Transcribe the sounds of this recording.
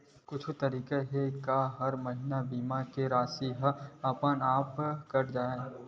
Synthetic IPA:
kʊt͡ʃʰt̪ɐɾiːkeɦekaɦɐɾmɐɦɪnabiːmakeɾaːsiɦɐpənaːpkɐɾd͡ʒaːẽː

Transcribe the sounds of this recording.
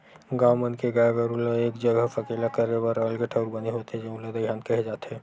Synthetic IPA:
ɡãwmənkeɡaɡəɾuloeːkd͡ʒəɡəfʰəkeːlakəɾebəɾəlkeʈʰəɾbəneɦot̪ẽd͡ʒeuləd̪əɡʱjaːnkəɦed͡ʒaːt̪eː

